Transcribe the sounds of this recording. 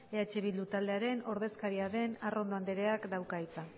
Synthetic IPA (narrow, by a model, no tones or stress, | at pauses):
eat͡ʃe̞βild̪ut̪ald̪eaɾe̞no̞ɾðe̞skaɾiaðe̞narʔo̞nd̪oand̪eɾe̞akd̪awkait͡sa